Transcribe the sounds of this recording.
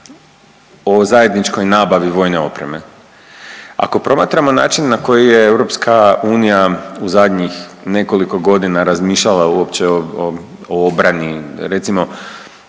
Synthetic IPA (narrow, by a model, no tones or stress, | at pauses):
o̞zaje̞d̪nit͡ʃko̞jnaːbaʋiʋo̞ːjne̞o̞̰pɾe̞̰me̞ | a̰ko̞pɾo̞maːt̪ɾamo̞na̰ːt͡ʃinːako̞jije̞ewɾo̞pskʰauːnijauzad̪ɲixne̞ko̞liko̞ɡo̞d̪inaɾazmiːʃʎalˠauopt͡ɕeo | oobɾaniɾe̞t̪simo̞